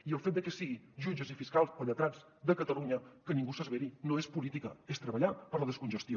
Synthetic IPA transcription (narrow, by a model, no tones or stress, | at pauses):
iəlˠfet̪̚d̪əkɛsiɣiʒud͡ʒəzifiskalˠspəʎət̪ɾanz | d̪əkət̪əluɲəkənĩŋɡusəzβeɾinoespulit̪ikəest̪ɾəβəʎapəɾləðəskunʒəst̪jo